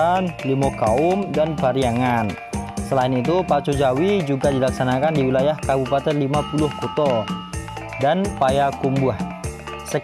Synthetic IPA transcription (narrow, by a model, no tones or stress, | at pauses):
anlimokaʊmdanbaɾijaŋan | səlaɪnit̪upat͡ʃod͡ʒawid͡ʒuɡadilaksanakandiwilajahkabupat̪ɛrlimapulʊhkut̪ɔ | danpajakumbuah | sə